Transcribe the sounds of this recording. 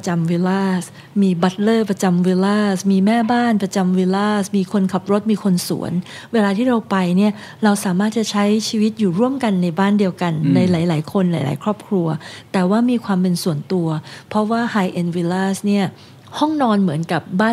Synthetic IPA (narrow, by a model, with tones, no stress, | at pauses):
t͡ɕa˧mwi˧laː˥˩s | miː˧ba˦˥t̪̚lɤː˥˩pɾa˧t͡ɕa˧mwi˧laː˥˩smiː˧mɛː˥˩baː˥˩npɾa˧t͡ɕa˧mwi˧laː˥˩smiː˧kʰo˧nkʰa˨˩p̚ɾo˦˥t̪̚miː˧kʰo˧nsṵ˩˦ən | weː˧laː˧iː˥˩ɾa˧wpa˧jni˥˩ɐ | ɾa˧wsaː˩˦maː˥˩t̪̚t͡ɕa˨˩t͡ɕʰa˦˥jt͡ɕʰiː˧wi˦˥t̪̚juː˨˩ɾu˥˩əmka˧nːa˧jbaː˥˩ndi˧əwka˧nːa˧jlaː˩˦jlaː˩˦jkʰo˧nlaː˩˦jla̰ː˩˦jkʰɾɔː˥˩p̚kʰɾu˧ɐt̪ɛː˨˩waː˥˩miː˧kʰwaː˧mpe˧nsu˨˩˦ənt̪u˧ɐpʰɔ˦˥waː˥˩haː˧jʔe˧nwi˧laː˥˩sni˥˩ɐ | hɔ˥˩ŋnɔː˧nmɯ˩˦ənka˨˩p̚baː˥˩